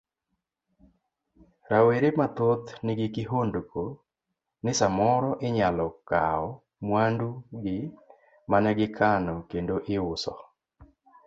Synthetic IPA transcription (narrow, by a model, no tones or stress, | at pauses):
ɾaweɾemat̪ot̪nɪɡɪkɪɦondko | nɪsamɔɾɔʔɪɲalɔka̰ɔ | mwanduɡɪ | manɛɡɪkʰanɔkendoʔɪʊsɔ